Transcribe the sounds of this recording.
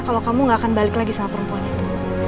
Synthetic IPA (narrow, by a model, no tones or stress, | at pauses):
kalawkamuŋɡakanbalɪklaɡisaŋapəɾəmpuanit̪u̥